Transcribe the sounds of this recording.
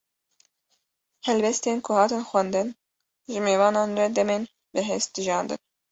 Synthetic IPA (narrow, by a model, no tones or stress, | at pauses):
hɛlbɛst̪eːnkʰʊhɑːt̪ɨnxʷwɛnd̪ɨn | ʒɨmeːvɑːnɑːnrɛd̪ɛmeːn | bɨɦɛst̪̚d̪ɨʒɑːnd̪ɨ̰n